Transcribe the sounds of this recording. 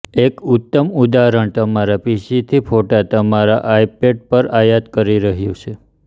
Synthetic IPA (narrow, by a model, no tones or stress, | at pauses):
ekut̪ːəmud̪aɾəɳt̪əmaɾapiʃit̪ʰipʰoʈat̪əmaɾa̰ʔajpeɖ̚pəɾajat̪kəɾiɾəɦjũt͡ʃʰe